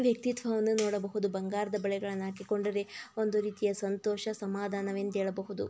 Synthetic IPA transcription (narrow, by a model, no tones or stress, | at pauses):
ʋjɐk̚t̪it̪ʋɐʋɐnːunoːɽɐbɐɦud̪ubɐŋɡaːɾɐd̪ɐbɐɭɛɡɐɭɐnːaːkiko̞ɳɖɐɾeo̞nd̪uɾiːt̪ijɐsɐnt̪ɔːʃɐsɐmaːd̪ʱaːnɐʋend̪eːɭɐbɐɦud̪ṵ